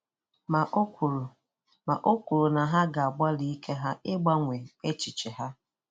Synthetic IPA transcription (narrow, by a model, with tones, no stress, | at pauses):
ma˨ʔo˦kʷu˨ɾo˨na˨ɦa˦ɡa˨a˨ɡ͡ba˦li˦kʰe˦ɦa˦ɪ˦ɡ͡ba˦ŋʷe˨e˦t͡ʃɪ˨t͡ʃe˨ɦa˦